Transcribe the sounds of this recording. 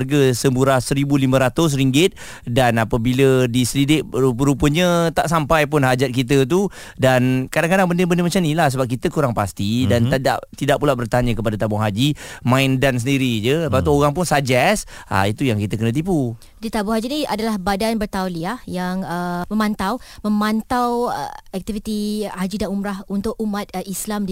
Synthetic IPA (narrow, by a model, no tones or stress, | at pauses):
rɡəsəmbuɾahsəɾibulimə̃ɾat̪ʊs̬ɾiŋɡɪt̪̚ | danapəbilədisəɾidɪʔɾupəɾupəɲət̪aʔsampajpʊnɦad͡ʒat̪̚kit̪̬ət̪̬u | dankadaŋkadaŋbəndəbəndəmat͡ʃamnilahs̬əbap̚kit̪əkuɾaŋpast̪idant̪ada̰ʔt̪idaʔpulaʔbərt̪aɲə̃kəpadat̪abʊŋɦad͡ʒimãindansəndiɾid͡ʒəəpat̪uoɣaŋp̬ʊnsad͡ʒɛsa̰it̪ujaŋkit̪əkənə̃t̪ipu | dit̪abʊŋɦad͡ʒiniadalahbadanbərt̪awliahjaŋəmə̃mãnt̪awməmãnt̪aw̰ɛk̚t̪ivit̪ihad͡ʒidanumɾahunt̪ʊk̚umat̪̚ʔislamdi